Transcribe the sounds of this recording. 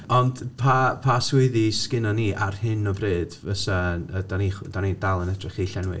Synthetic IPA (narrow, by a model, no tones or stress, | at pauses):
ɔnd̥pʰapʰaswɪɨðiskɪnɔniːʔa̰rhɨnɔbreːd̥vəsaəd̥aniχd̥anidalˠənɛdrɪχiɬɛnwɨ̰